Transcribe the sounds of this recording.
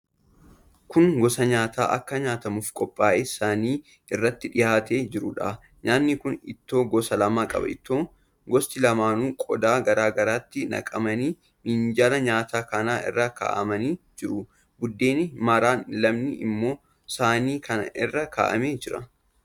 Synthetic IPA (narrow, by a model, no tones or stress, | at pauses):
kʊŋɡɔsɐɲaːt̪ʰa̰ːʔɐ̰kːɐɲaːt̪ɐmufkʼɔpʼːaːʔeːsaːniː | ɪrːɐt̪ːɪᶑɪjaːt̪eːd͡ʒɪɾʊᶑa̰ | ɲaːnːɪkʊnɪ̰t̪ːo̞ːɡɔsɐlɐmaːkʼɐ̰bɐ̰ʔɪt̪ːoːŋ | ɡɔst̪ɪlɐmaːnuːkʼɔd̪aːɡɐɾaːɡɐɾaːt̪ːɪnɐ̰kʼɐmɐniː | nɪnd͡ʒaːlɐɲaːt̪ʰaːkɐnaːʔɪ̰rːaka̰ːʔɐmɐniːd͡ʒɪɾʊ | bʊd̪ːe̞ːnɪmɐɾaːnlɐmnɪʔɪ̰mːo̞ː | saːniːkʰɐnɐʔɪrːɐka̰ːʔɐmeːd͡ʒɪɾɐ̰